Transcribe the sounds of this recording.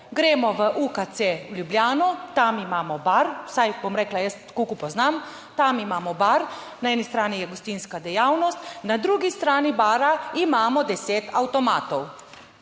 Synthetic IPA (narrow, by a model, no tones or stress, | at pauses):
ɡɾɛːmɔʋəʔukat̪sewlʲjubljaːnɔt̪amimaːmɔbaɾwsajbomɾɛːklajəst̪kukupɔznam | t̪amimaːmɔbaɾnaɛːnist̪ɾaːnijɛɡɔst̪inskad̪ɛjaːwnɔst̪nad̪ɾuːɡist̪ɾaːnibaːɾaimaːmɔd̪ɛseːt̪awt̪ɔmaːt̪ɔw